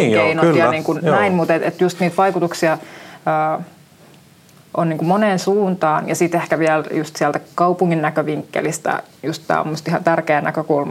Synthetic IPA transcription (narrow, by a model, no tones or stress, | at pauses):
keinot̪jɑniːŋkunnæinmut̪et̪ḛt̪just̪niːt̪ʋɑikut̪uksiɑəː | ʔoniːŋkumoneːnsuːnt̪ɑːnjɑsit̪ehkæʋiæljust̪siælt̪ækɑupuŋːinnækøʋiŋkːḛlist̪ɑ̰just̪t̪æ̰mːost̪ihɑnt̪ærkeːnækøkulmɑ